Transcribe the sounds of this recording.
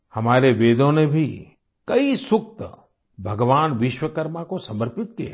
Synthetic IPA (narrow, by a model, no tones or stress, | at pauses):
hɐmaːɾeʋeːd̪ʱõnebʱi | kɐisʊk̚t̪ə | bʱɐɡʋaːnʋɪʃwəkəɾmakosɐməɾpɪt̪ke